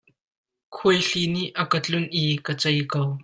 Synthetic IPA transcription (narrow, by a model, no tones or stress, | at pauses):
kʰujɬiniʔɐkət͡ɬʊnʔikət͡sɐjkow